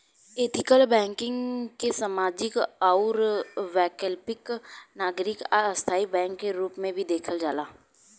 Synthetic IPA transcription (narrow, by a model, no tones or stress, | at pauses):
eːt̪ɪkəlbɛ̃ːŋkɪ̃ŋɡkesamaːd͡ʒɪkaʊɾʋɛːkəlpɪknaːɡɾɪkːɐst̪ʰaːibɛ̃ːŋkːeɾuːpmẽbʱid̪eːkʰəld͡ʒaːlaː